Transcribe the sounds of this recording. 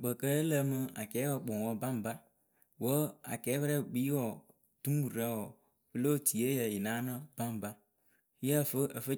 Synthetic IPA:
ɡ͡bə˨kə˦ə˦lə˦mɨ˦a̰˨kɛː˨˦wɔ˨k͡po˨ŋ˨wɔ˦ba˦m˨ba˦ | wə˦a̰˨kɛː˨˦βə˦ɾɛ˦˨k͡pi˦wɔ˦˨ | tu˦m˦wu˨ɾa˦wɔ˨ | fɨ˦lo˦˨ti˨e˦jə˨ji˨na˨˦nə˦b̥a˦m˨ba˦ | jə˦˨fə˦ə˨fə˦

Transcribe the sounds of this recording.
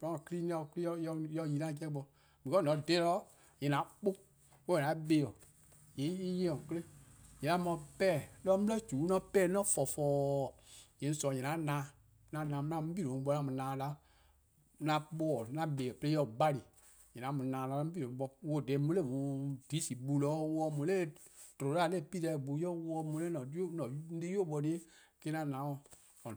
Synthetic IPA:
pɔ̃˦ɔ̃˨kɨ˦ɾi˦n˦ɔ˧˨kli˦ɔ˧˦jɔ˧˦jɔ˧˨ji˧nã˦˨kɛ˦k͡pɔ˧ | mĩ˨kɔ˦nɔ̃˨˦˨dɛː˦lɔ˦ | jɛ̃˨nã˨˦k͡po˦ | o˦ɛ̃˨nã˨˦ɓeː˧˨ɔ˨ | je˨˦i˦jɛ̃˦ɔ̃˨kə˦le˦ɲɛ̃˨nã˨˦mã˧pɛː˦˨lɔ˦mu˦ə˦d͡ʒu˨˦nɔ̃˧˦pɛː˦˨˦nɔ̃˦˨fɔ˨fɔː˧˦˨ | jɛ̃˨n˦sɔ˨ɛ̃˨nã˨˦nãː˨˧˦ | nã˧˦nãː˨˧m˧˦nã˧m̩˦bi˦˨ɾõ˨˦ɓɔ˧˦nã˧mũ˨nãː˨la˧˦ | nã˨˦k͡pɔ˦˨nã˦be˨ɛ˨ple˦ɔ˦˨ba˦li˨ | ɲɛ̃˨nã˨˦mũ˨nãː˨lã˨˧˦i˦˨ɾõ˨˦ɡ͡bɔ˧wo˦˨dɛ˨˦mũ˦le˦˨mũ˨di˨˦si˨bu˧lɔ˨˦wɔ˧mũ˨˦le˦˨to˨˦a˦˨lɛ˦˨pi˦dɛ˧˨ɡ͡bu˨˦jɔ˦wɔ˧˦mũ˨le˦˨ɔ̃˨˦o˦nɔ̃˨n̩˦di˦o˦˨ɓɔ˧ni˦e˦ | ke˦nã˦˨nã˨˦wɔ̃˨ | ɔ̃˨

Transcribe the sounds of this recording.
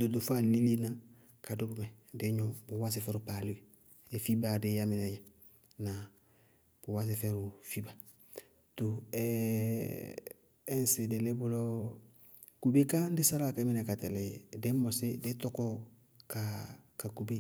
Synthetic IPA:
do˨do˨fa˦li˦li˦na˦ | ka˨do˦bo˦mɛ˨ | de˦ɲɔ̃˦bo˨wa˦s̬e˦fɛ˦ɾupaː˨li˦be | e˨fi˦ba˨de˦ja˦mi˨nɛ˨je˨ | na˨ | b̥o˨wa˦s̬e˨fɛ˦ɾu˨fi˦ba˨ | to˨ɛ | ɛ̃˦se˨de˨le˦bo˦lo˦ | ku˨be˦kã˦n˦de˦sa˦ɾa˦˨kɛ˦mi˦nɛ˨ka˨tɛ˨lɛ˨jede˦mɔ˨se˦de˦tɔ˦kɔ˦ | ka˨ka˨ku˨be˦

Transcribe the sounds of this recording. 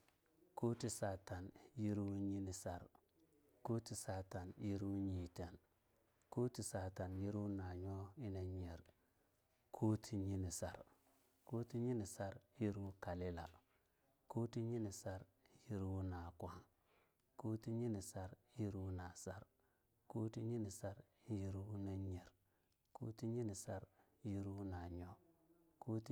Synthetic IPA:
ko˦ti˨˦sa˨ta˨nji˦ɾu˦ɲi˦ni˨sa˨ɾ | ko˦ti˨sa˨ta˨nji˦ɾu˦ɲi˨te˨n | ku˦ti˨sa˨ta˨nji˦ɾu˦na˨ɲo˦i˦ne˨ɲe˨ɾ | kʰu˦tʰi˨ɲi˦ni˨sa̰˨ɾ | ko˦ti˦ɲi˦ni˨sa˦ɾji˦ɾu˦ka˨li˦la̰˨ | ku˦ti˦ɲi˦ni˨sa˦ɾ | ji˦ɾu˦na˨kwa˦ŋ | ku˦ti˦ɲi˦ni˨sa˦ɾji˦ɾu˦na˨sa˦ɾ | ku˦ti˦ɲi˦ni˨sa˦ɾ | ji˦ɾu˦na˦ɲe˨ɾ | kṵ˦ti˦ɲi˦ni˨sa˦ɾ | ji˦ɾu˦na˨ɲo˦ | ku˦ti˦

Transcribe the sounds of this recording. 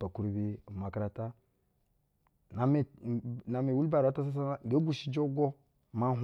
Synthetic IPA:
a˨ku˦ɾu˦bi˦˨ma˨kɾa˦ta˦ | na˨me˨na˨me˨wu˦lba˨ɾa˨˦ta˦s̬a˦s̬a˦na˦˨ɡa˦ɡu˦ʃi˦d͡ʒo˦ɡo˦ | ma˦ɦ

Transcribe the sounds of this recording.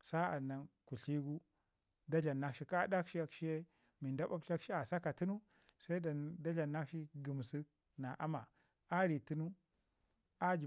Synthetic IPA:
sa˦a̰˨na˨nku˨ɬi˦ɡu˦ | da˦ɮa˨na˦kʃi˦ka˦da˦kʃi˦a˦kʃi˦je˦ | mi˨nda˦ba˦pɬa˦kʃi˦a˨sa˦ka˨ti˦nu˦ | sa˦i˦da˨da˦ɮa˨na˦kʃi˦ɡu˨m˨si˦ | na˨ʔa˦ma˨ | a˦ɾi˨ti˦nu˦ | a˦d͡ʒi˨

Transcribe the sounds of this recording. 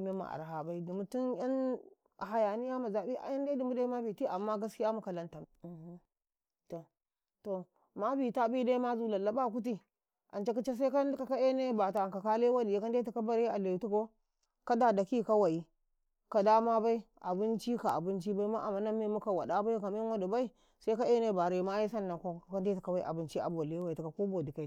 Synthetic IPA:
me˦ma̰˨ʔa̰˨ɾɦa˨ba˦i˦di˨mu˨tu˦nja˦n˨ | ɦa˨ja˨ni˦ja˦ma˨za˨bi˦ʔa̰˨ja˦nda˦di˨mu˦da˦i˦ma˦bi˨ti˦ʔa˨mːa˦ɡa˦ski˦ja˦mu˨ka˨la˦nta˨m˨˦ | to˨ | to˨ | ma˦bi˨ta˦bi˦da˦i˦ma˦zu˨la˨lːa˨ba˦˨ku˦t̬i˦ | ʔa˨nt͡ʃe˦k̬u˦t͡ʃe˦s̬a˦ka˦ndka˨ka˦e˦ne˦ba˨ta˨ka˨ka˦le˦wa˦di˨ja˨ka˦nde˦ta˨ka˦ba˦ɾe˦a˨le˨tu˦ko˦ | ka˦da˨da˨ki˦˨ka˦wa˨i˦ | ka˨da˦ma˦ba˦i˦ | a̰˨bi˦nt͡ʃi˦ka˨a̰˨bu˦nt͡ʃi˦ba˦i˦ma˦ʔa˨ma˨na˦mːe˦mu˦ka˨wa˨da˦ba˦ka˨m˦e˦a˦du˨ba˦i˦ | sa˦i˦ka˦e˦ne˦ba˨ɾe˨˦ma˦ji˦sa˦nːa˨ko˦˨ka˦nde˦ta˨ka˨ba˦i˦ʔa̰˨bɨ˦nt͡ʃi˦a̰˨bo˨le˦wa˨i˨tu˨ka˨ko˦bo˨di˨ka˨

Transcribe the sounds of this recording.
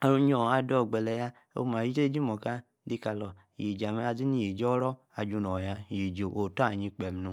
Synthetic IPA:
a˨ɾu˦ɲ˦o˨a˨dɔ˦˨ɡ͡bɛ˨lɛ˨ja˦ | o̰˦ma˨i˦te˦d͡ʒi˦mo˨ka˦ | di˦ka˨lɔ˨ji˨d͡ʒa˨m˦a˨zi˦ni˦ji˨d͡ʒɔ˦ɾɔ˦ | a˨d͡ʒu˧nɔ˨ja˧˨ji˨d͡ʒo˨ʔo˨ta˦˨ɲi˧k͡pe˨m˨nu˨

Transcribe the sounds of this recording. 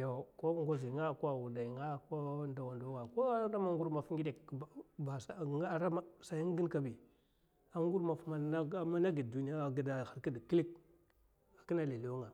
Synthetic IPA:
jo˨ko˦ŋɡo˦zi˨ŋa˦˨kwa˨wu˨da˨i˨ŋa˦ko˦nda˨wa˨ndo˦ŋa˨ko˦ɾa˦ma˦ŋ˦ɡu˦ɾma˨fŋɡi˦de˨kba˨sa˨ŋ˦a˦˨ɾa˦ma˦sa˨ji˦ŋ˦ɡi˦nka˦bi˨ | a˦ŋ˦ɡu˦ɾma˨fma˦a˦ma˦na˦ɡi˨du˨˦ni˦a˦˨ɡi˨da˨xa˨ɾki˦dkli˦k̚ | a˨ki˦na˦li˨le˦ŋa˨

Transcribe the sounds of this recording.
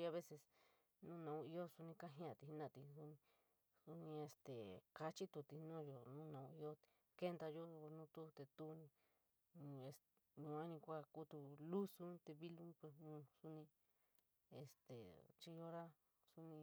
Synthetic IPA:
t͡ʃi˧a˧βe˦se˧s | nũ˦˧nã˨ũ˧i˧˦o˦su˧nĩ˧ka˦ɦĩ˧˦˧ã˧˨t̪i˧i˦nã˧˨t̪i˧su˧nĩ˧ | su˧nĩ˧e˧st̪ḛ˨ka˧t͡ʃi˦t̪u˧t̪i˧nũ˦˨jo˧nũ˦nã˨ũ˧i˧˦o˦˧ | ke˦nd̪a˧jo˦˧nũ˦t̪u˦t̪e˧t̪u˦nĩ˧ | e˧s | ɲũ˧ã˦nĩ˧kʷa˦˧ku˦t̪u˧lu˦su˦t̪e˧βi˦lu˦pe˧nũ˧su˧nĩ˧ | ḛ˨st̪ḛ˨t͡ʃi˦jo˦ɾa˦ | su˧nĩ˧

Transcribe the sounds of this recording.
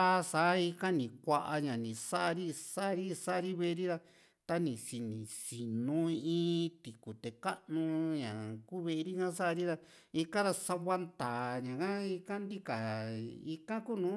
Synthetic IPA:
a˦˧sa˨˦i˧ka˦nĩ˨kʷa˧ʔa˧ɲã˨nĩ˨sa˦ʔa˧ɾi˦sa˦ʔɾi˦sa˦ʔa˧ɾi˦βe˦˧ɾi˦ɾa˧ | t̪a˧nĩ˨si˨nĩ˨si˨nũ˨˦ĩː˦t̪i˨ku˨t̪e˨ka˦ʔnũ˧ɲã˨kuː˦βe˧ʔɾi˦kã˦sa˦a˧ɾi˦ɾa˧ | i˧kã˦ɾa˧sa˧βa˦nt̪aː˨ɲã˨kã˦i˧kã˦nd̪i˦ka˨i˧kã˦ku˦˨nũː˨˦

